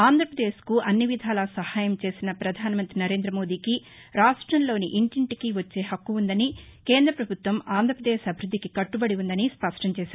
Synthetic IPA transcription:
aːnd̪ʱɾɐpɾɐd̪eːskuʔɐnːiʋid̪ʱaːlɐsɐhaːjɐmt͡ʃe̞ːsinɐpɾɐd̪ʱaːnɐmɐnt̪ɾinɐɾeːnd̪ɾɐmo̞ːd̪iːki | ɾaːʂʈɾɐmlo̞ːniʔiɳʈiɳʈikiʋɐt͡ʃːe̞ːɦɐkːuund̪ɐnikeːnd̪ɾɐpɾɐbʱut̪ʋɐmaːnd̪ʱɐpɾɐd̪eːʃɐbʱiɾud̪ʱːikikɐʈːubɐɽiund̪ɐnispɐʂʈɐmt͡ʃɛːʃaːɾu

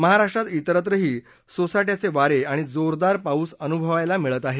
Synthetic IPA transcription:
məɦaɾaʂʈɾat̪it̪əɾət̪̬ɾəɦiː | sosajʈjat͡seʋaɾeaɽ̃id͡zoɾd̪aɾpauːsənubʱəʋajlamiɭət̪aɦe

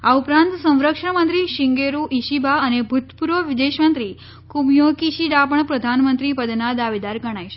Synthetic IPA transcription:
aupɾãnt̪sə̃w̃ɾəkʂəɳmənt̪ɾiʃiŋɡeɾuʔiʃibaənebʱut̪puɾʋəʋid̪eʃmənt̪ɾi | kumjokiʃiɖapəɳpɾəd̪ʱanmənt̪ɾipəd̪nad̪aʋid̪aɾɡʱəɽ̃ajʃe̥

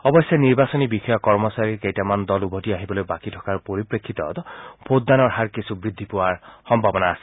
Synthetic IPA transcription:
ɔbɔsjɔniɹbasɔnibixɔjɔkɔɹmɔsaɹiɹkejtamand̪ɔlubʱɔtiaɦibɔlojbakitʰɔ̥kaɹpoɹipɹekʰːit̪ɔt̪ɔpod̪dːanɔɹɦaɹkisʰubɹid̪ʱːipɔwaɹxɔmbʱabɔnaːsɛ̥

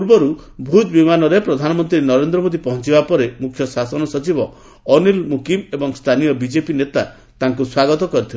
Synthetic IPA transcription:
uɾbɔɾubʱud̪bimanɔɾepɾɔd̪ʱanɔmɔnt̪ɾiɾnɔɾend̪ɾɔmod̪ipɔɦɔnt͡ʃibapɔɾemukʰjɔsasɔnɔsɔt͡ʃibɔ | ɔnilmukimebɔŋst̪ʰanijɔbid͡ʒepinet̪a | t̪aŋkuswaɡɔt̪ɔkɔɾit̪ʰil

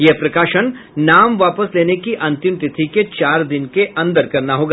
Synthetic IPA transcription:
jeɦpɾɐkaːʃəñ | naːmʋaːpəsleːnekiʔɐ̃nt̪ɪmt̪ɪt̪ʰiket͡ʃaːɾd̪ɪnkeʔɐ̃nd̪əɾkɐɾnaɦoːɡaː

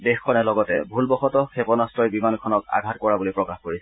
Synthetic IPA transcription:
dexkʰːɔnɛlɔɡɔtɛbʱulbɔxɔtɔkʰepɔnastɹɔjbimankʰɔnɔka̰ɡʱatkɔɹabulipɹɔkaxkoɹisɛ

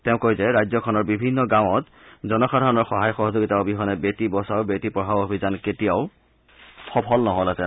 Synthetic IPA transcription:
teʊ̃kojzɛɹajzɔkʰɔnɔɹbibʱinːɔɡãw̃ɔt | zɔnɔxadʱaɹɔnɔɹxɔɦajxɔɦɔzoɡitaobʱiɦɔnɛbetibɔsawbetipɹɔbʱabobʱizanketijaʊ | xɔpʰɔlnɔɦolasɛ

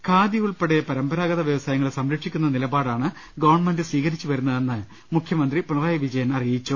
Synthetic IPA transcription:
kʰaːd̪jɐjuɭpe̞ɽejɐpɐɾɐmbɐɾaːɡɐðɐʋjɐʋɐsaːjɐŋːɐɭesɐmɾɐkʂikʲːunːɐnilɐbaːɽaːɳɨ | ɡɐʋɐɳmɐndɨsʋiːɣɐɾit͡ɕːuʋɐɾunːɐðe̞nːɨ | mukʰjɐmɐnd̪ripuɳɐraːjɐʋid͡ʑɐjɐnɐrijit͡ɕːu

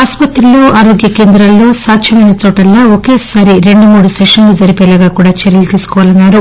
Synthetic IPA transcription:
aːspɐt̪ɾuloːʔaːɾoːɡjɐkeːnd̪ɾɐlːoːsaːtːʃʰɐmɐjnɐt͡ʃɔːʈɐlːoːokeːsaːɾiɾe̞ɳɖumuːɽuseʂɐnlud͡ʒɐɾipɛːlaːɡaːkuːɽaːt͡ʃɐɾjɐlut̪iːsu̥kɔʋaːlɐnːaːɾu

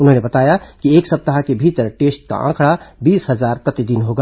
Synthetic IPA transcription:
ʊnɦõnebɐt̪aːjakieːksɐp̚t̪əɦakebʱiːt̪əɾʈeːsʈ̚ka̰ʔã̰ːkʰɽabiːsɦɐzaːɾpɾɐt̪ɪd̪ɪnɦoɡa

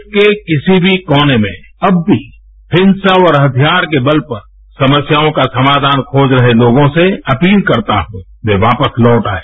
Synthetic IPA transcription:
kekɪsibʱikɔːnemḛ̃ | ɐbːʱi | hɪ̃nsaɔːɾɦɐt̪ʰjaːɾkebəlpɐɾ | sɐməsjaːõkasɐmaːd̪ʱaːnkʰoːd͡ʒɾɐɦeloːɡõseɐpiːlkɐɾt̪a̰ɦũː | ʋeʋaːpəslɔːʈaːeː

